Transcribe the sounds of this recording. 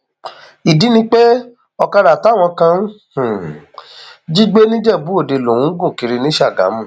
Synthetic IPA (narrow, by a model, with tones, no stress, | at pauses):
i˨di˨˦nĩ˧˦k͡pe˦ | ɔ˧ka˧ɾa˨ta˨˦˨w̃ɔ̃˧kã˧n˦h̩˨ | d͡ʒi˦ɡ͡be˦nĩ˦d͡ʒɛ˦˨bu˨˦o˦˨de˧˨lo˨wũ˨˦ɡũ˦˨ki˨˧ɾi˧nĩ˦ʃa˦˨ɡa̰˨˦mũ˦˨